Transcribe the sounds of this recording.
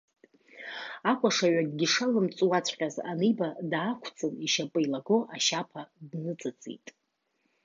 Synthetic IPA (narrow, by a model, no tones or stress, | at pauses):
akʷʰʼaʂaɥadɡʲɪʂalɨmt͡sʼwat͡sʷʰʼqʲaza̰nejbadaːkʷʰt͡sʰʼɨniʃapʼɨilaɡoʔaʃapʰadnɨt͡sʼɨt͡sʼḭtʼ